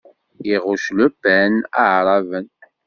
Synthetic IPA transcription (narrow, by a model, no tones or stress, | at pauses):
jiʁʊʃlubænaʕɾˤɑvən